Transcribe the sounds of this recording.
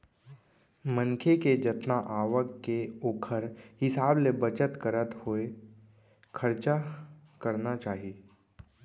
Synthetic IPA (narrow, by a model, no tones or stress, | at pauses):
mə̃ŋkʰeked͡ʒət̪naʔaːʋəkkeoːkʰəɾhɪsaːblebət͡ʃət̪kəɾət̪hoe | kʰəɾt͡ʃakəɾnat͡ʃaːɦie